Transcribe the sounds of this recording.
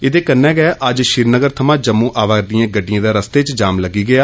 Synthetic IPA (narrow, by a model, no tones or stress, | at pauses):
ɪd̪eːkənːɛ̃ːɡɛɛʔəd͡ʒʃɪɾnəɡəɾt̪ʰəmãːd͡ʒəmːũːʔaːʋaːd̪ijãːɡəɖːɪjãːd̪aːɾəst̪eːt͡ʃd͡ʒaːmləɡːiːɡɪaː